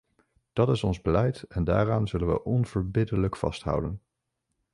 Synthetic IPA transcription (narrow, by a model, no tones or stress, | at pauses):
d̥ɑtɪsɔnzbəlɛjtɛnda̰ːraːnzɵlənʋə̰ʔɔnv̥əɹbɪdələkfɑ̰stɦʌ̰wdən